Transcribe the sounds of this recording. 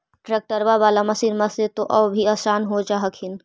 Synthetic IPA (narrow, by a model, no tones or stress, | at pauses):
ʈɾek̚ʈəɾʋaʋaːlamɐsiɾmɐset̪oʔɐbbʱiasaːnɦod͡ʒaːɦəkʰɪn